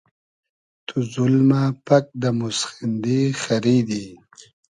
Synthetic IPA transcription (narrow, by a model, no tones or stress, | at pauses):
t̪ʰuzulmapak̚d̪əmusxind̪ixaɾid̪i